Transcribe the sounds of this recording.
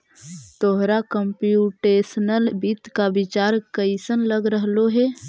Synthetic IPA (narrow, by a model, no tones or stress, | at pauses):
t̪oɦɾakəmpjuʈeːsnəlbit̪kabɪt͡ʃaːɾkəɪsənləɡɾəɦloɦɛː